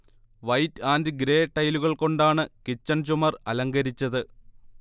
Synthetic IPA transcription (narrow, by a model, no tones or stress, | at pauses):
ʋɐjtaːndɨɡɾe̞ːʈːɐjluɣɐɭko̞ɳɖaːɳɨkit͡ɕːɐnt͡ɕumɐrɐlɐŋɡɐɾit͡ɕːɐðɨ